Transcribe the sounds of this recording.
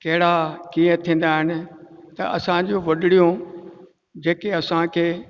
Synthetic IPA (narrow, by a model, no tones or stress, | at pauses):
kɐɦɪɽakiːə̃t̪ʰĩːn̆d̪aɦɪnɪ̆t̪ɐ̰ɐ̰sãd͡ʑoʋɐɗɪɽijõ | d͡ʑeːkeɐsãkʰeː